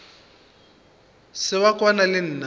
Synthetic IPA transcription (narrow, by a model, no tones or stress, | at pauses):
sɪβakwanalɪn̩na